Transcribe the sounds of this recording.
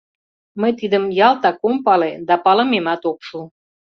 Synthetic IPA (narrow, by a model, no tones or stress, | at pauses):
məjt̪id̪əmjɑlt̪ɑkompɑled̪ɑpɑləmemɑt̪okʃul